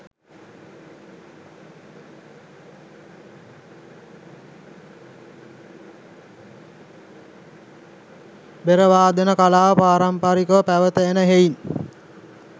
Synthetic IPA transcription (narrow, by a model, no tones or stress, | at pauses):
beɾəʋaːd̪ənəkalaːʋəpaːɾampaɾikəʋəpæʋət̪əenəɦein